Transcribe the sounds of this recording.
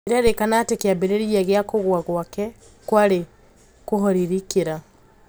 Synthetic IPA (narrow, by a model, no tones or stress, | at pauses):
eɾaɾekanatekeabeɾeɾiaɣeakoɣwaɣwakɛ | kwaɾe | koɦɔɾiɾikeɾa